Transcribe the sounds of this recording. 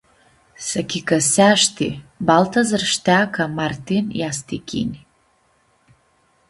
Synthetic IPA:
sakʲʰikasaʃt̪ʰḭbalt̪ʰazɨrʂt̪akʰamart̪inj̰ast̪ikʲʰḭnʲi

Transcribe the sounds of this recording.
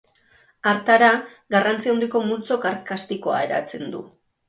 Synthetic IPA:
aɾt̪aɾa | ɡarant͡siaond̪iko̞mult͡so̞kaɾkast̪iko̞a̰e̞ɾa̰t͡se̞nd̪ṵ

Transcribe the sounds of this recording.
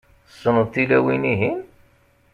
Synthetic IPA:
sˤːənəðθilæwiniɦin

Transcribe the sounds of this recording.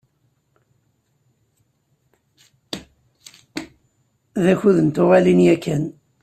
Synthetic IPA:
ðæçuðənt̪ʊʁalinjækːæn

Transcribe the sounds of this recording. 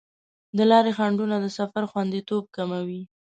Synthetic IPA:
d̪əlɑɾexaɳɖunad̪əsafaɾxwand̪it̪ob̚kamawi

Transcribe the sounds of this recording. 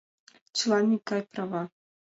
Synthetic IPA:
t͡ʃlˠanʲikajpɾava

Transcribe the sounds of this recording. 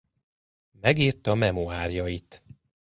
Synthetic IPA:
mɛɡiːrt̪ɒmɛmoaːrjɒjit̪

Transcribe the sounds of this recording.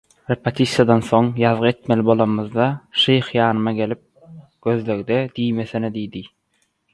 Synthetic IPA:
ɾepʰet̪ʰʲisjɑd̪ɑnθo̞ŋjɑðʁɯe̞t̪me̞lʲibo̞lˠɑnmɯðd̪ɑʃejχjɑːnɯmɑɡe̞lip̚ | ɡ̥ø̞ðløɣd̪ed̪ijme̞θened̪ijd̪i

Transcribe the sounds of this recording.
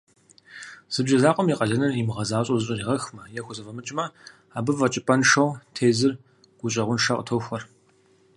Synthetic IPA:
z̥ɨbʒɐzaːqʷʼɔmiːqʼɐɮɐnɨrimɨʁɐzaːɕʼozɨɕʼɐriːʁɐxmɐjɛxʷʊzɐvɐmɨt͡ʃʼmɐ | aːbɨvɐt͡ʃʼɪpʼɐnʂɐwtʰeːzɨr | ɡ̥ʷʊɕʼɐʁʷʊnʂɐqʼətʰowxʷɐr

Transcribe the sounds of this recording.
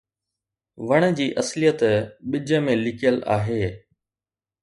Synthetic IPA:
ʋɐɽ̃̆d͡ʑiːʔɐslijət̪ɓɪd͡ʑə̆mẽlɪkʰijəla̰ːɦeː

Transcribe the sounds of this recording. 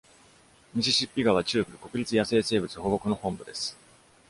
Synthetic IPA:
mʲiɕiɕipʲːiɡaβat͡ɕɨːkɯ̟ɯ̟ko̞kɯ̟ɾʲit͡sɨjase̞ːse̞ːbɯ̟t͡sɨho̞ːɡo̞kɯ̟no̞hõ̞mbɯ̟d̪e̞sɨ̥

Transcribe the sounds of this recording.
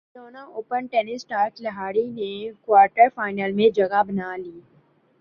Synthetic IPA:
soːnaoːpənʈɛːnɪsʈaːɾt͡ʃləɦaːɽinekwaːɾʈəɾfaːɪnəlmẽd͡ʒɐɡabɐnaliː

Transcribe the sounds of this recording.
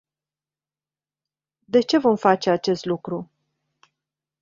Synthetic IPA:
d̪e̞t͡ʃe̞vo̞mfat͡ʃe̞at͡ʃe̞st̪lukɾu

